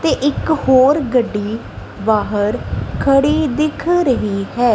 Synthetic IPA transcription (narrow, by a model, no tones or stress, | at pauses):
t̪eːʔɪkhoːɾɡəɖːiː | baːɦəɾkʰəɽiːd̪ɪkʰɾəɦiːɦɛː